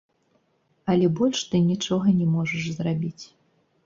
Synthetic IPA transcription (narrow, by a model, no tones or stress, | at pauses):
ɐlʲɛbɔlʲʂt̪ɨnʲit͡ʂɔɣɐnʲɛmɔʐɐʂzrabʲit͡sʲ